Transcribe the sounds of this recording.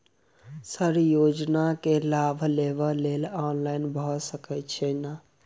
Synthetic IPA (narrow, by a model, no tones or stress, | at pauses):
səɾjod͡ʒnakelabʱlebəlelɔnlaɪnbʱɔsəkɛt̪t͡ʃʰɛna